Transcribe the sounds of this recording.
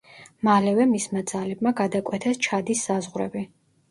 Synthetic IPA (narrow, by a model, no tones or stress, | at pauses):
malɛvɛmismad̪zalɛb̚maɡad̪akʼwɛt̪ʰɛst͡ʃʰad̪isːazʁɾɛ̰bi